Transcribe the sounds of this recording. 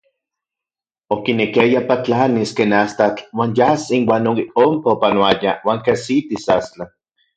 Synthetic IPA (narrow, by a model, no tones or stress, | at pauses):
okinekiajapat͡ɬaniskeːnast̪at͡ɬwaːnjasinwaːnoompaopanoajawaːŋkesit̪isast͡ɬa